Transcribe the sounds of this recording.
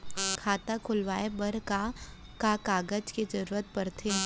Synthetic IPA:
kʰaːt̪akʰʊlʋaːebɐɾka | kakaːɡəd͡ʒked͡ʒɐɾuːɾət̪̚pɐɾt̪ʰeː

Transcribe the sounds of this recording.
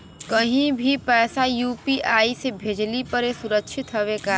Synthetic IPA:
kɐɦĩbʱipɛːsajuːpiʔaːisebʱeːd͡ʒlipɐɾesʊɾəkʃʰɪt̪ɦəʋeka

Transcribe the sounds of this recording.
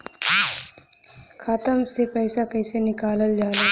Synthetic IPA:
kʰaːt̪əmsepɛɪsakɐɪsenɪkaːləld͡ʒaːɾeː

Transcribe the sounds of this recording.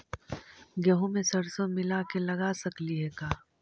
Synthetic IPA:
ɡɐɦõmẽsɐɾsõmɪlakelɐɡasɐkliɦɛkaː

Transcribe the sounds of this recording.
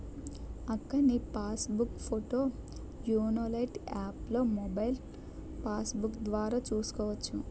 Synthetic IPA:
ɐkːɐnipaːsbukpʰoʈoː | juːnolɐjʈaːplo̞ːmɔbɐjl | paːsbukd̪ʋaːɾaːt͡ʃuːsu̥kɔːʋɐt͡ʃːu

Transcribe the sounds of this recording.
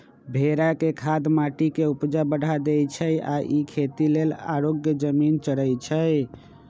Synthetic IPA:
bʱeɾakekʰad̪maʈikeupd͡ʒabəɽ̤ad̪et͡ʃʰəja̰ʔikʰet̪ilela̰ɾoɡjəd͡ʒəmint͡ʃəɽət͡ʃʰəj

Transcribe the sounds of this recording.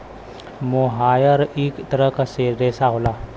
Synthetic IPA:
moɦaːjəɾikt̪əɾəkaseɾeːsaɦola

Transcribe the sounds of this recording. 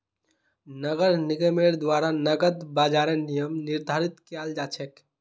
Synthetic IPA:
nəɡəɾniɡəmeɾd̪waɾanəɡəd̪baːd͡ʒaɾenijəmnɪɾd̪ʱaɾit̪kald͡ʒat͡ʃʰɛk

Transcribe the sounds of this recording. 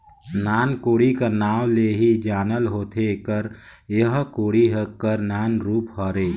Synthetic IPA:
naːnkoːɽikanaːwleɦid͡ʒaːnəlɦoːt̪ʰekəɾ | jəɦkoːɽiɦəkəɾnaːnɾuːpɦəɾeː

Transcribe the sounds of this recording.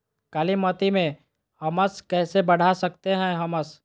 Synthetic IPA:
kaːlimɐt̪imẽ | hɐməskɛːsebɐɽ̤asɐk̚t̪eɦɛ̃ɦɐməs

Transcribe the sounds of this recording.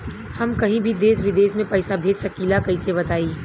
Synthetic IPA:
hɐmkɐɦĩbʱid̪eːsʋɪd̪eːsmẽpɛːsabʱeːd͡ʒsɐkiːlakɐĩseβɐt̪aːiː

